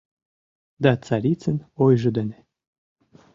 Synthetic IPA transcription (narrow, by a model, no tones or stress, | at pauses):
d̪ɑt͡sɑlʲit͡sənojʒɤ̆d̪ɘ̆ne